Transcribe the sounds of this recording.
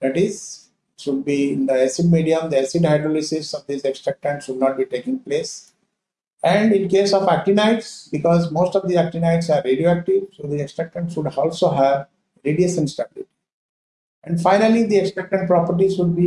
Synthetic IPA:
d̪æʈɪz | ɪʈʃʊɖ̚biɪ̃nd̪əesiɖ̚miːɖiə̃md̪iɛsiɖaɪɖɾolisɪsɔʋd̪iseksʈɾɛk̚ʈə̃ɳʈʃʊɖ̚nɔːʈ̚biːʈeːkɪ̃ŋɡpleːs | ɛ̃ɳɖɪ̃nkeːsɔfæk̚ʈinaɪʈsbɪkɔːzmoːsʈɔʋd̪iæk̚ʈinaɪʈsaɾːeɖioæk̚ʈiʋsoːd̪ieksʈɾɛk̚ʈə̃ɳʈsʃʊɖɔːlsoɦæʋ | ɾeːɖiesə̃nsʈablḭʈ | ɛ̃ɳɖfaɪnəlid̪ieksʈɾɛk̚ʈə̃ɳɖ̚pɾɔpəɾʈizʃʊɖ̚bi

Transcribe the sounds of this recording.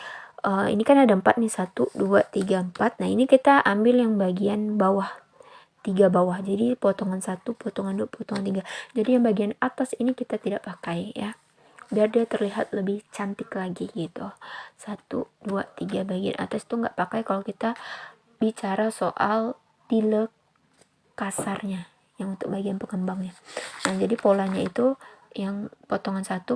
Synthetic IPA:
əḭnikanadaəmpat̪̚nɪsat̪uduat̪iɡaəmpat̪̚naɦinikit̪aʔambɪljaŋbaɡianbawah | t̪iɡabawahd͡ʒadipot̪ɔŋansat̪upɔt̪ɔŋanduapɔt̪ɔŋant̪iɡad͡ʒadijaŋbaɡianat̪asinikit̪at̪idaʔpakajja | biardiat̪ərliɦat̪̚ləbɪht͡ʃant̪ɪklaɡiɡit̪usat̪ṵd̥uat̪iɡabaɡia̰nʔa̰t̪asi̥t̪uŋɡa̰ʔpakajkalokit̪a | bit͡ʃaɾasoʔal | t̪ilə | kasarɲa | jaŋunt̪ʊk̚baɡianpəŋəmbaŋɲanad͡ʒadipolaɲait̪ujaŋpot̪ɔŋansat̪u

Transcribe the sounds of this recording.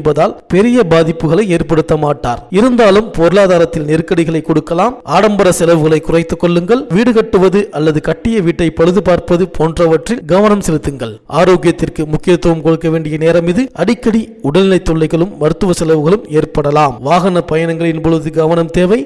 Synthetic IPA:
nbɐðaːlpɛɾɪjɐbaːðɪpːɯɣɐɭɐɪeːrpɐɽɯt̪ːɐmaːʈːaːɾɪɾɯnd̪aːlɯmpoːɾɯlaːðaːɾɐt̪ːɪlnɛɾɯkːɐɽɪɣɐɭɐɪkːɔɽɯkːɐlaːmʔaːɽɐmbɐɾɐsɛlɐʋɯɣɐɭɐɪkːʊrɐɪt̪ːɯkːɔɭːɯŋɡɐɭʋiːɽɯkɐʈːɯʋɐðɯʔɐlːɐðɯkɐʈːɪjɐʋiːʈːɐɪpɐɻɯðɯpaːɾpɐðɯpʰoːndrɐʋɐʈrɪlɡɐʋɐnɐmsɛlɯt̪ːɯŋɡɐɭʔaːɾoːɡɪjɐt̪ːɪrkɯmʊkːɪjɐt̪ːɐʋɐmkɔɽɯkːɐʋeːɳɖɪjɐneːɾɐmɪðɯʔɐɽɪkːɐɽiʊɽɐlɪlɐɪt̪ːɔɭːɐɪɣɐɭɯmːɐɾɯt̪ːɯʋɐsɛlɐʋɯɣɐɭɯmeːrpɐɽɐlaːmʋaːɣɐnɐpɐjɐnɐŋɡɐɭɪnpɔɭɯðɯɡɐʋɐnɐmt̪eːʋɐɪ

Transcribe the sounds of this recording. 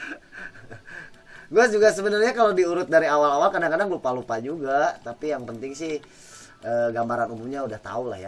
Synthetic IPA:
ɡuad͡ʒuɡasəbənərɲakalodiuɾʊt̪̚daɾiawalawalkadaŋkadaŋlupalupad͡ʒuɡat̪apijaŋpənt̪ɪŋsɪh | ʔəːɡambaɾanumumɲaudaht̪a̰ula̰hja

